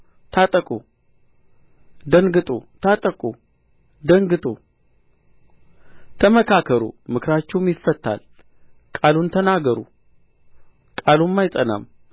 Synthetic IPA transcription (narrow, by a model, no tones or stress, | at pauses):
t̪ʰat̪ʼəkʼu | d̪əŋɡɨt̪ʼut̪ʰat̪ʼəkʼu | d̪əŋɡɨt̪ʼṵ | t̪ʰəməkʰakʰəɾṵmɨkʰɾat͡ʃːɛwmjɪfːət̪ʰːa̰l | kʼalunt̪ʰənaɡəɾṵ | kʼalumːajt̪ʼəna̰m